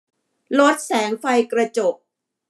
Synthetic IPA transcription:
lo˦˥t̪̚sɛː˩˦ŋfa˧jkɾa˧t͡ɕo˨˩p̚

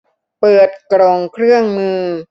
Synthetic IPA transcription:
pɤː˨˩t̪̚kɾoː˧ŋkʰɾɯ˥˩əŋmɯː˧

